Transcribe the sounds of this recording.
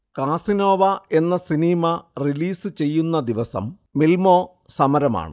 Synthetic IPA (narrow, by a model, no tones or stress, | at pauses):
kaːsinoːʋɐe̞nːɐsinimɐriliːsɨt͡ɕe̞jːunːɐd̪iʋɐsɐ̰mː | ilmoː | sɐmɐɾɐma̰ːɳɨ̰